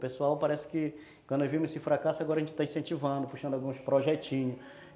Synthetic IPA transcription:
pesuawpaɾɛsɪ̥kɪ | kwɐ̃d̪ewvĩmʊsɪfɾakasʊaɡɔɾɐʒẽnt͡ʃɪt̪aĩsẽnt͡ʃivɐ̃nd̪ʊpuʃɐ̃d̪awɡũspɾoʒɛt͡ʃĩɲʊ

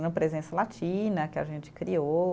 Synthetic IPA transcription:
nɐ̃pɾezẽsɐlat͡ʃĩnɐkɪa̰ʒẽnt͡ʃɪ̥kɾio

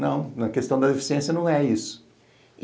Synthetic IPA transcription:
nɐ̰̃w̃nɐkest̪ɐ̃w̃d̪ɐd̪efi̥siẽsjɐnɐ̃w̃ɛisʊ̥

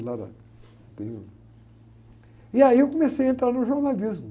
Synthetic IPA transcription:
lad̪a̰ | t̪ḛ̃j̃u | iaiewkõmesejaɐẽnt̪ɾaɾnʊʒoɾnalizmʊ

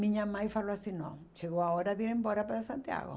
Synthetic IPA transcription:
mĩɲamajfaloasinɔ̰̃ | t͡ʃeɣoaoɾaðiɾẽmbɔɾapaɾasant̪ja̰ɣo̰

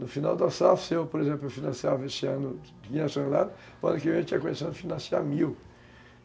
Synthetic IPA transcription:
nʊfinawd̪ɐsafsewpoɾezẽplʊewfinɐ̃siavɐesɪɐ̃nʊ | ɡĩɲɐsɐ̃lad̪ʊ | pa̰d̪ikɪmẽt̪ĩɲɐkõmesɐ̃nd̪ʊfinɐ̃sia̰ɾmiw

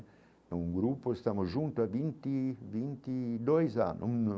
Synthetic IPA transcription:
uŋɡɾupːoest̪amoʒunt̪uavint̪ivint̪id̪ɔjza̰nːʔṵn

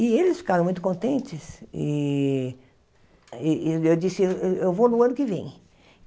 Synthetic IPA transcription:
ɪelɪsfi̥kaɾɐ̃mũj̃t̪ʊ̥kõnt̪ẽnt͡ʃɪsɪ | ewd͡ʒisɪeewvonʊɐ̃nʊkɪvẽj̃

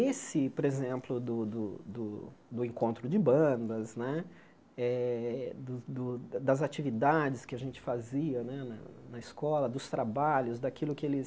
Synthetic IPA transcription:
esɪpoɾezẽmplʊd̪ʊd̪ʊd̪ʊd̪ʊẽŋkõnt̪ɾʊd͡ʒɪbɐ̃nd̪ɐznɛ | ɛd̪ʊd̪ʊd̪ɐzat͡ʃivid̪ad͡ʒɪskɪɐʒẽnt͡ʃɪ̥faziɐnɛnɐ̰nɐiskɔlɐd̪ʊst̪ɾabaʎʊzd̪akilʊkɪelɪ

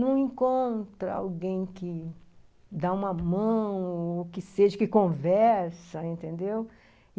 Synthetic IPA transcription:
nɐ̃w̃ẽŋkõnt̪ɾɐa̰wɡẽj̃kɪ | d̪aũmɐmɐ̃w̃okɪseʒɐkɪkõvɛɾsɐẽnt̪ẽnd̪ew

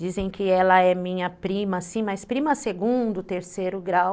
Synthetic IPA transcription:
d͡ʒizẽj̃kɪɛlɐɛmĩɲɐpɾĩmɐsĩmɐjspɾĩmɐseɡũd̪ʊt̪eɾsejɾʊɡɾaw

